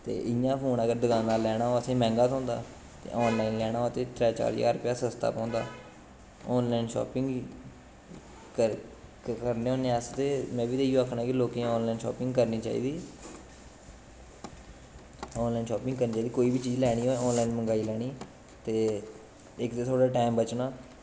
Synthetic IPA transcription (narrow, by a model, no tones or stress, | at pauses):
t̪ḛːʔɪjãːpʰoːnəɡəɾd̪əɡãːnaːlɛːɽ̃aːoːəsẽːmɛ̃ːŋɡaːt̪õːnd̪a̰ː | t̪ḛːʔɔːnlaːinlɛːɽ̃aːt̪eːʈɾɛːt͡ʃa̰ːɾja̰ːɾpjaːsəst̪a̰ːpɔ̃ːnd̪a̰ː | ɔːnlaːɪnʃɔ̰ːpɪ̃ŋɡ | ə | kəɾneːɦõːneast̪eːmɛ̃ːbiːd̪eijõːakʰnãːkɪloːkẽãɔːnlaːɪnʃɔ̰ːpɪ̃ŋɡkəɾniːt͡ʃa̰ːḭːd̪iː | ɔːnlaːinʃɔːpɪ̃ŋɡkəɾniːt͡ʃaid̪iːkoːiːbiːt͡ʃiːd͡ʒlɛːɽ̃iːoːeɔːnlaːinməŋɡaːiːlɛːɽ̃iː | t̪eː | ɪkd̪eːt̪ʰoːɽaːʈaːɪmbət͡ʃnaː